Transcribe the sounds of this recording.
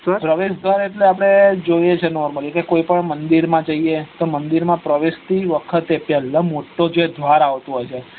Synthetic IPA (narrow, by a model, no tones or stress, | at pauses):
səɾpɾəʋeʃd̪ʱʋaɾeʈleap̬ɽ̃ed͡ʒojet͡ʃʰenɔɾməlikekoipəɳmənd̪iɾmãd͡ʒəiet̪omənd̪iɾmãpɾəʋeʃt̪iʋəkʰət̪epjɛlːə̃moʈːod͡ʒed̪ʱʋaɾaʋt̪oɦojt͡ʃʰe